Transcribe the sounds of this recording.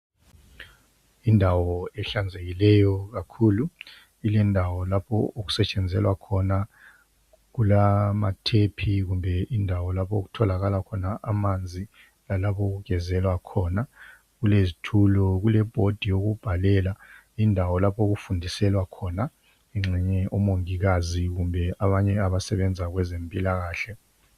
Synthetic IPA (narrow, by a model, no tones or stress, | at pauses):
indʱawɔɛɬand͡zʱeɣilɛjɔɣakʰuːlu | ilɛndʱawɔlapʰɔ̰oɣu̥sɛt͡ʃʼɛnd͡zʱɛlwakʰɔna | ɣulamatʰepʰiɣumbʱɛʔindʱawɔlapʰooɣ̬utʰɔlaɣalakʰɔnaʔamand͡zʱi | lalapʰɔɣuɣɡ̥ʱɛzɛlwakʰɔːna | ɣulezitʰulɔɣulɛb̥ʱod̥ʱijoɣub̥ʱalɛːla | indʱawɔlapʰɔoɣufundʱisɛlwakʰɔna | ɛŋ͡ǁɛɲɛɔmoŋiɣaziɣumbʱɛaβaɲɛaβasɛβɛnd͡zʱaɣwɛzempʼilaɣaːɬɛ